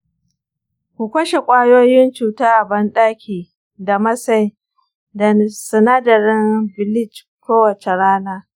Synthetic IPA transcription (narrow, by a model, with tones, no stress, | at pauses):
kʷu˨kʷɐ˦ʃe˨kʷʼaː˦joː˦jɪ˦nt͡ʃuː˨taː˦ʔa˨bɐ˦nɗaː˦kʲiː˨ | da˨mɐ˦sa˦j | dɐ˨n˨sɐ˨naː˦dɐ˨ɾɪ˦nbɪ˨lɪ˦t͡ʃ | kʷoː˦wɐ˨t͡ʃe˨ɾaː˦naː˦